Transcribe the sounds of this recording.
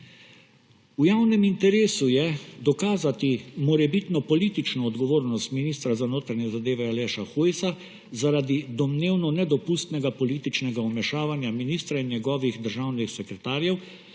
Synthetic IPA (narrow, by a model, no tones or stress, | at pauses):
ujawnɛmint̪ɛɾeːsujɛd̪ɔkaːzat̪imɔɾɛbit̪nɔpɔliːt̪it͡ʃnɔːd̪ɡɔʋoːɾnɔst̪miniːst̪ɾazanoːt̪ɾaɲɛzad̪eːʋɛalɛʃaxujsa | zaɾad̪id̪ɔmneːwnɔnɛd̪ɔpust̪nɛɡapɔliːt̪it͡ʃnɛɡaɔmɛʃaːʋanjaminiːst̪ɾainjɛɡɔːʋixd̪əɾʒawnixsɛkɾɛt̪aːɾjɛw